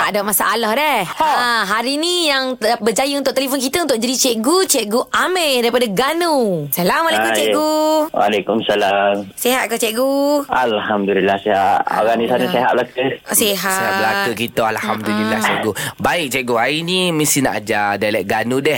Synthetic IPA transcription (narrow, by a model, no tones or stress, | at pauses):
t̪aʔdamasaʔːlɔhdɛaɦaɾinijaŋbəd͡ʒajəunt̪ʊʔ̚t̪elifɔnk̬it̪əunt̪ʊk̚d͡ʒadit͡ʃɛʔɡut͡ʃɛʔɡuʔamɛ̃daɾipadaɡanusalamwalekut͡ʃɛʔɡuwa̰lekumsalamseɦat̪̚kɔt͡ʃɛʔɡualhamd̪ulilahsehaʔa̰ɡanisanaseɦat̪ʔ̚blakəseɦaseɦalakəkit̪oalhamdulilaht͡ʃɛɡubaɪʔk̚t͡ʃɛʔɡuainimisina̰ʔad͡ʒadalɛʔ̚ɡanudɛh